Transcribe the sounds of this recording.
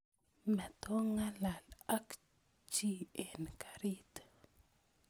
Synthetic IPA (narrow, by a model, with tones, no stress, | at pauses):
mɛ˨t̪o˦ŋa˦la˨la˦k | t͡ʃi˦e˨nkʰḁ˨ɾi˦t̪